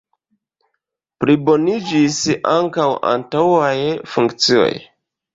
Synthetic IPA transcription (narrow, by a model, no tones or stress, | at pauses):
pɾibo̞nid͡ʒisaŋkawʔa̰ntawajfuŋkt͡sio̞̰j